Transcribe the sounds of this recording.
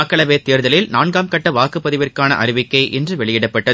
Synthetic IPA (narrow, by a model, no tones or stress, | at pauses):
kːɐɭɐʋeːt̪ːeːɾðɐlɪlnaːnɡaːmkɐʈːɐʋaːkɯpːɐðɪʋɪrkaːnɐ̰ʔɐɾɪʋɪkːɐɪʔɛndrɯʋɛɭɪjɪɽɐpːɐʈːɐ